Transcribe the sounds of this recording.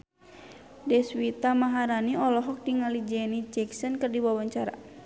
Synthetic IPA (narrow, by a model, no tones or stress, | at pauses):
dɛswit̪amaɦaɾaniɔlɔɦɔk̚diŋalid͡ʒɛnit͡ʃɛksɔnkɨrdiwawaɲt͡ʃaɾa̰